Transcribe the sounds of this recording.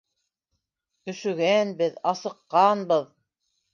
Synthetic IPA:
ɵ̆ʃɵ̆ɡænbɘðɑsɤ̆qːɑnbɤð

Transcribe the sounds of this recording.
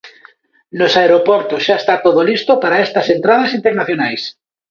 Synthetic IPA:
nosaeɾopɔɾt̪osʃaest̪at̪oðolist̪opaɾaest̪ɐsent̪ɾað̞ɐsint̪eɾnaθjonajs

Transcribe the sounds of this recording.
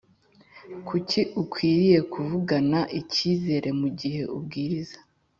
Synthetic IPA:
kʰuciʔukwiːɾije̞kuvuɡanaʔiciːze̞ɾʔe̞muɟihe̞ubɡiːɾizḁ

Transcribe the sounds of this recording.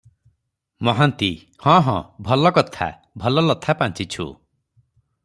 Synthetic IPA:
mɔɦant̪i | hɔ̃ɦɔ̰̃bʱɔlɔkɔt̪ʰa̰ | bʱɔlɔlɔt̪ʰːapant͡ʃit͡ʃʰṵ

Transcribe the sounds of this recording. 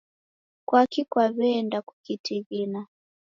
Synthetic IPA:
kwakikwaβɛndaku̥kitʰiɣina

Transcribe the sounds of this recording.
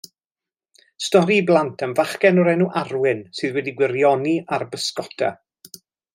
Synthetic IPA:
stɔɾiblˠantʰənvaχkɛnɔɾɛnuʔarwɪnsɨːðwɛdiɡwɪɾjɔniʔarbəskɔtʰa̰

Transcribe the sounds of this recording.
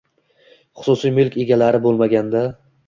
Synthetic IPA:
χʊ̥sʊsijmʊlˠkʲʰe̞ɡʲalaɾɪbolˠmaɡʲand̪a

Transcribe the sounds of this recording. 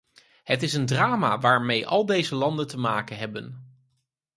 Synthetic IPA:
ɦətɪsəndraːma̰ʋaːɹmejʔɑ̰lˠdejzəlɑndəntəmaːkənɦɛbən

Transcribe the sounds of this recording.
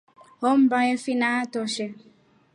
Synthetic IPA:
hɔm̩bajɛfinatɔʃɛ

